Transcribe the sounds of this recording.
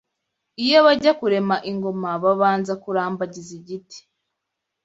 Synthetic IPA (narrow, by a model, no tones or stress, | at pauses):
ijo̞βaɟakuɾe̞maʔiŋɡo̞maβaβaːnzakuɾaːmbaɟiziɟiti̥